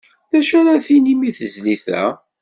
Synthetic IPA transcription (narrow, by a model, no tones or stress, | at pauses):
ðæʃæɾaθinimiθəzliθæ̰